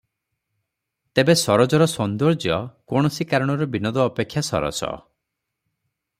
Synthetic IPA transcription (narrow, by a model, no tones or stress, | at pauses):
t̪ebesɔɾɔd͡ʒɔɾɔsɔnd̪ɔɾd͡ʒjɔkɔɽ̃ɔsikaɾɔɽ̃ɔɾɔbinɔd̪ɔːpekʰjasɔ̰ɾɔ̰sɔ̰